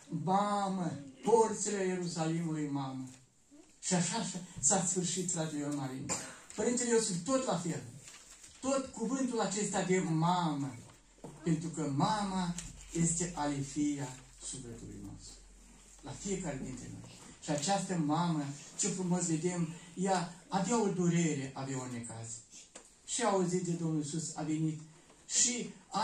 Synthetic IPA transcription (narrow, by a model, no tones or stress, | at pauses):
maməport̪selejeɾusalimulujmamə | ʃiaʃasasfɨrʃit̪fɾad͡ʒeleormaɾinpəɾint̪elejosunt̪o̞t̪lafel | t̪o̞t̪kuvɨnt̪ulat͡ʃe̞st̪ad̪emamə | pe̞nt̪ɾukəmamaje̞st̪e̞ʔalefija | subɾət̪ṵlṵjno̰st̪ɾu | lafije̞kaɾed̪int̪ɾeno̞̰j | ʃiat͡ʃast̪əmamət͡ʃe̞lfɾumo̞s̬ve̞d̪e̞mjaːveao̞d̪uɾe̞ɾe̞ʔavaone̞kaz | ʃiauzit̪̚d̪ed̪o̞mnulisusavenit̪ | ʃia